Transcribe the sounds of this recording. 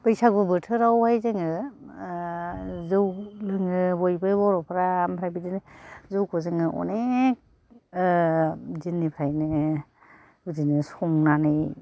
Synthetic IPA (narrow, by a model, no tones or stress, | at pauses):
pɯjsaɡɯbɯtʰɯɾawhajzɯŋɯ | zɯwlɯŋɯbɔjbɯbɔɾɔpʰaɾaːmpʰɾajbidinzɯwkʰɔzɯŋɯʔɔ̰nek̚ | zinːipʰɾajnɯ | bɯdinɯsɔŋnanɯj